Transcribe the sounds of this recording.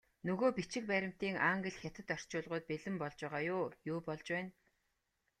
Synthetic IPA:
nɵɣoːpit͡ɕɪ̆k̚pæːɾʲɪ̆m̥t̪iːŋaŋɡɘ̆ɮxʲjat̪ɘ̆t̪œr̥t͡ɕʊːɮʁʊːt̪̚peɮɘ̆mpɔɮt͡ɕæːʁaːjʊːjʊːpɔɮt͡ɕwæːn

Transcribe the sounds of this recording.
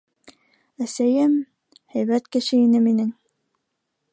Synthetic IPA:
æsæjɘm | hæjβæt̪kɘ̆ʃɘinɘminɘŋ

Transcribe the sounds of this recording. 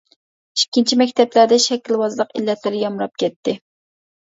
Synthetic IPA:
i̥kʲːint͡ʃʰimɛk̚ʲt̪ʰɛplæɾd̪ɛʃɛkʲːilwɑzlˠəqḭlːɛt̪lɪɾɪjɑmɾɑp̚kʲɛt̪ʰːɪ

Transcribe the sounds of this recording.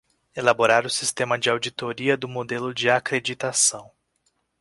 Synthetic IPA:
elaboɾaɾʊsi̥st̪ẽmɐd͡ʒɪawd͡ʒit̪oɾiɐd̪ʊmod̪elʊd͡ʒɪakɾed͡ʒit̪asɐ̃w̃

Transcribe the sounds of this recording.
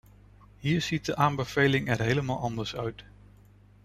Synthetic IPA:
ɦiːɹz̥it̚dəʔaːmbəv̥ejlɪŋɛɹɦejləmaːlˠɑndəɹsœɥt

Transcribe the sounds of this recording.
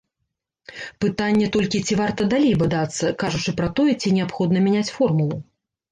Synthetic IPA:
pɨt̪anʲːɛt̪ɔlʲkʲit͡sʲivart̪ɐd̪alʲejbad̪at̪sːɐkaʐut͡ʂɨpɾɐt̪ɔjɛt͡sʲinʲɛapxɔd̪nɐmʲɛnʲat͡sʲfɔrmulˠu

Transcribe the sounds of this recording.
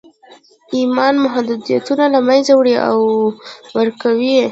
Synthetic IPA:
imɑnmʊɦad̪ud̪ija̰t̪unalamajzawɽiʔa̰wwəɾkawi

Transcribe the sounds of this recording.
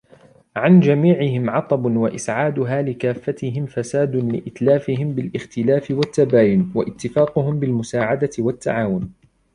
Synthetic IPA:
ʕand͡ʒamiːʕɪɦɪmʕɑt̪ˤɑbwaʔɪsʕaːd̪ʊɦaːlɪkaːfːat̪ɪɦɪmfasaːd̪nlɪ̰ʔɪt̪laːfɪɦɪmbɪlʔɪxt̪ɪlaːfɪwat̪ːabaːjʊnwaʔɪt̪ːɪfaːqʊɦʊmbɪlmʊsaːʕad̪aɪwat̪ːa̰ʕaːwʊn

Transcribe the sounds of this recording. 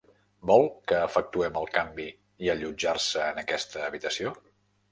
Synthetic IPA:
bɔlˠkəːfək̚t̪uɛməlˠkambi | iəʎud͡ʒarsəːnəkɛst̪əːβit̪əsio

